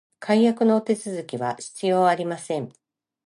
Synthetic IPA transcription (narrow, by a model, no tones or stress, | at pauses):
kʰaijakɯ̟no̞ːt̪e̞t͡sɨzɨkʲiβa̰ɕi̥t͡sɨjo̞ːaɾʲimasẽ̞ŋ